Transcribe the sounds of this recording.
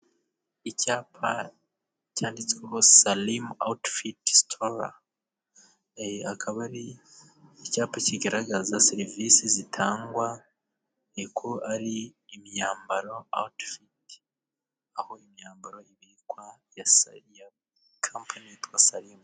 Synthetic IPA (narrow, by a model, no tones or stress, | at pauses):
icaːpʰa̰ | caːndit͡skwekosalima̰wtfitstʰoɾa̰ | akʰaβaɾiː | caːpaciɡaɾaɡazaseɾivisizitʰaːŋɡwa | ekʰoʔaɾiːmjaːmbaɾo̞a̰wtfit | aho̞imɲaːmbaɾo̞iβikwa | jasja | kʰampʰanitwasalim